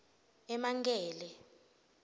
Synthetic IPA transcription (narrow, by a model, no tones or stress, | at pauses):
ɛmaŋɡɛːlɛ